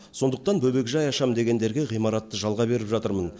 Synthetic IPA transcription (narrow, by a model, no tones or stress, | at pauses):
so̞nd̪əq̚t̪ɑnbʰɵbe̞kʒɑjɑʃɑmd̪e̞ɡʲe̞nd̪e̞ɾɡʲe̞ʁijmɑɾɑt̪ːəʒɑlˠʁɑbe̞ɾɪpʒɑt̪əɾmən